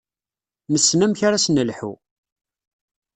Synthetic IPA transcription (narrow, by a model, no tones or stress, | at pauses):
nəsːnæmçaɾasnəlħṵ